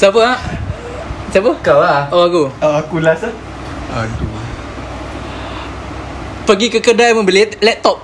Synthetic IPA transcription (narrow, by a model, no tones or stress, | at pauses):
sapəa | sapəkawaʔoakuakulasə | at̪u | pəɡikəkədajmə̃bililɛt̪ɔp̚